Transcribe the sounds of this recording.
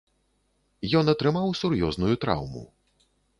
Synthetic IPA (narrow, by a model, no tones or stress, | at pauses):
jɔnɐt̪ɾɨmawsuɾjɔznujut̪ɾa̰wmṵ